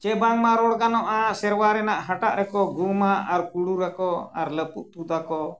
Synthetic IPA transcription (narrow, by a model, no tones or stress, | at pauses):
t͡ʃɛbaŋmaɾɔɽɡanɔʔasɛɾwaɾɛnaʔɦaʈaʔɾɛkɔɡumaaɾkuɽuɾakɔa̰ɾləpuʔ̚t̪ud̪akɔ